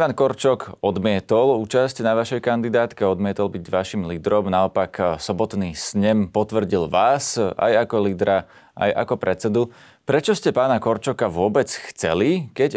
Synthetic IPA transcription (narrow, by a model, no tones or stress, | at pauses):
ʋaːnkɔɾt͡ʃɔkɔd̪mɪɛt̪ɔluːt͡ʃascnaʋaʃɛjkand̪id̪aːt̪kɛɔd̪mɪɛt̪ɔlbiɟʋaʃimliːd̪ɾɔmnaɔpaksɔbɔt̪nisɲɛmpɔt̪ʋr̩ɟilʋaːsa̰jakɔliːd̪ɾa | ʔa̰jʔa̰kɔpɾʔɛt͡sɛd̪u | pɾɛt͡ʃɔscɛpaːnakɔɾt͡ʃɔkaʋʊɔbɛt͡sxt͡sɛlikɛc